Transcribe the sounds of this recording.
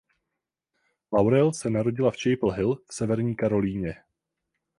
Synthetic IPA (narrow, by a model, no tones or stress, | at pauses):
lawɾɛlsɛnaɾo̞ɟɪlaft͡ʃɛjpl̩ɦɪlfsɛvɛɾɲiːkaɾo̞liːɲɛ